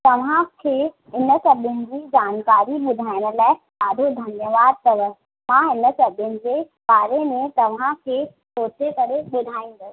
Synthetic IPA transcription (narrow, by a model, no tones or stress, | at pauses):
t̪ɐʋ̤ãkʰe | ɪnəsɐbənɪ̆d͡ʑid͡ʑaːnkaːɾiɓʊd̪ʱaːɪ̃nəlaːɪ | aːd̪ʱod̪ʱɐnjəʋaːd̪̚t̪ɐʋə | mãɪnə̆sɐbjənɪ̆d͡ʑe | ɓaːɾemẽt̪ɐʋ̤ãkʰe | soːt͡ʃekɐɾeɓʊd̪ʱaːĩːŋ̆ɡo